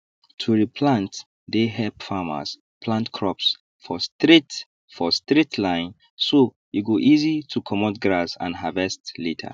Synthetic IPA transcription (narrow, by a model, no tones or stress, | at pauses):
tʰuɹipʰlãnt | deɦɛpfama̰s | pʰlãntkʰɹɔps | fɔstɹit | fɔstɹitʰlãɪ̃n | so | juɡoʔizitʰukʰɔmɔtɡɹasã̰nɦavɛstlitʰə̰